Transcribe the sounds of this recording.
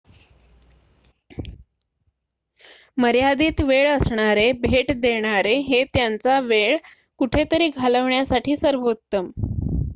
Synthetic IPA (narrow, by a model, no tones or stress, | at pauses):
məɾjad̪iːt̪ʋeɭəsɳaɾebʱeʈd̪eɳ̃aɾeɦet̪jant͡saʋeɭ | kuʈʰet̪əɾiːɡʱaləʋɳjasaʈʰiːsəɾʋut̪ːəm